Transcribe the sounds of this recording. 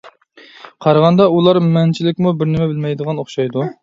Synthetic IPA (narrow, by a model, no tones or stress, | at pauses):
qʰɑɾʁɑnd̪ɑulˠɑɾmɛnt͡ʃʰilɪkʲmubɪɾnɪmɛbɪlmɛjd̪əʁɑnoχʃɑjd̪u